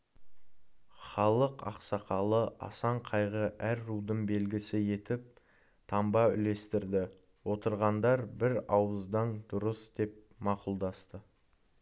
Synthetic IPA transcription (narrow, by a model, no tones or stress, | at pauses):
χɑlˠəqɑ̰qsɑqɑlˠəʔɑ̰sɑɴqʰɑjʁəʔæɾːud̪əɴbe̞lɡʲɪsɪje̞t̪ɪp̚ | t̪ʰɑmbɑʏ̰le̞st̪ɪɾd̪ɪ | wo̞t̪əɾʁɑnd̪ɑɾbɪɾɑwəzd̪ɑnd̪ʊɾəsd̪e̞p̚ | mɑqʊlˠd̪ɑst̪ə